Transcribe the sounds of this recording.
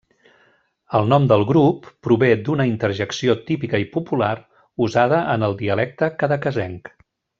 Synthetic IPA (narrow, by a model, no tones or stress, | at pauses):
əlˠnɔmd̪əlˠɣɾupːɾuβed̪unəint̪əɾʒəksiot̪ipikəipupular | uzaðəʔənəlˠd̪iəlɛk̚t̪əkəðəkəzɛŋk